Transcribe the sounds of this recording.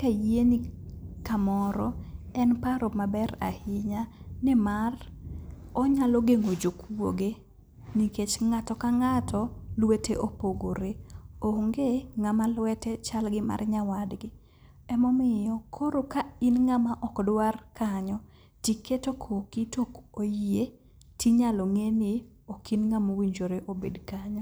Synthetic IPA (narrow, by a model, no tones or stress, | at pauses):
kajenikamɔɾɔɛnpaɾomabɛɾa̰hɪɲanɛmar | ɔɲalɔɡeŋod͡ʒokuo̰ɡe | niket͡ʃŋatɔkaŋatʰɔlweteʔopoɡoɾeoŋɡeŋamalwɛtɛt͡ʃalɡɪma̰rɲawadɡɪ | ɛmɔmɪjɔkʰoɾokainŋamaʔɔkdwarkaɲɔ | tiketokʰokitokojie | tiɲalɔŋenɪ | okinŋamowiɲd͡ʒoɾeʔobḛdkaɲɔ